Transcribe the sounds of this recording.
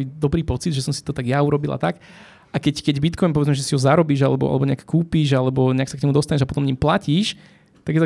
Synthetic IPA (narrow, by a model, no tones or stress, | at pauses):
id̪ɔbɾiːpɔt͡sid̪ʒɛsɔmsi̥t̪ɔt̪aɡjauɾɔbila̰t̪ak | ʔakɛckɛɟbit̪kɔjnpɔʋɛd͡zmɛʒɛsiɦɔzaɾɔbiːʒalɛbɔʔa̰lɛbɔɲɛakkːuːpiːʒalɛbɔɲɛaksakɲɛmud̪ɔst̪aɲɛʒapɔ̥t̪ɔmɲimplaciːʃ | t̪aɡjɛt̪